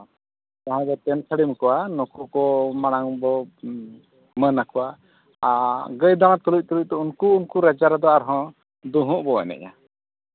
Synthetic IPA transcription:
t̪aɦɛ̃bɛt̪ɛnsʰəɽimkɔwanɔkʰɔkɔmaɽ̃aŋbɔ | mənakɔwa | aɡəjd̪aɽ̃ãt̪ɔluc̚t̪ɔluc̚t̪ɔunkuːnkuɾɛd͡ʒaɾad̪ɔaɾɦɔ̃ | d̪uɦũʔbɔɛ̰nɛ̰ʔa̰

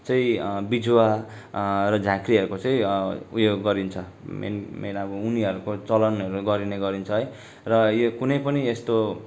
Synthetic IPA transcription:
t͡sʌĩbid͡zwa | rʌd͡zʱakriʌɾukot͡sʌ̃ĩubjoɡːʌɾint͡sʰʌmḛnmelaɡouniʌɾukot͡sʌlʌnʌɾuɡʌɾineɡʌɾint͡sʰʌɦʌj | rʌjokunʌjpʌniest̪o

